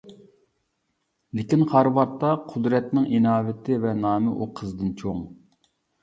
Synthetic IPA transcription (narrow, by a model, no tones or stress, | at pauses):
lɪkʲinχɑɾwɑɾt̪ːɑqʰʊd̪ɾɛt̪nɪŋʔinɑːvɪt̪ʰɪvɛnɑːmɨʔuqʰəzd̪ɨnt͡ʃʰoŋ